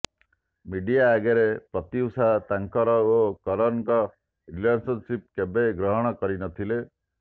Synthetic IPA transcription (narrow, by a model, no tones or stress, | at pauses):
miɖijaːɡeɾepɾɔt̪iusat̪aŋkɔɾɔokɔɾɔŋkɔ | ɾilansɔnsip̚kebeɡɾɔɦɔɽ̃ɔkɔɾinɔt̪ʰile